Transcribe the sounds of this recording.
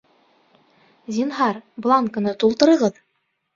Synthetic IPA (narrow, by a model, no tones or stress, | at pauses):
zʲinɦɑɾblˠɑŋkɤ̆nɤt̪ulˠt̪ɤ̆ɾɤ̆ʁɤð